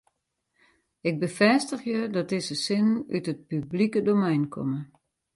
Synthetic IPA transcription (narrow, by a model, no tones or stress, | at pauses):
ɪk̚bəfɛstəxjədɔt̚dɪsəsɪnytət̚pyblikədomɛjnkʰɔ̰mə